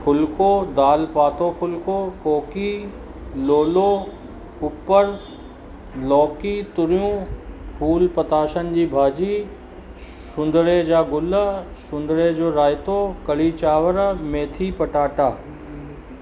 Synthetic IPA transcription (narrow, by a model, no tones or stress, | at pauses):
pʰʊlkod̪aːlpaːt̪opʰʊlkokoːkiː | loːloː | ʊpːəɾ | lɔːkit̪ʊɾjũpʰuːlpət̪aːʃənd͡ʑiːbʱaːd͡ʑiː | sʊ̃nd̪ɭed͡ʑaːɡʊlsʊ̃n̆d̪ɭed͡ʑoːɾaːjɪt̪okɐliːt͡ɕaːʋəɾmẽːt̪ʰiːpɐʈaːʈaː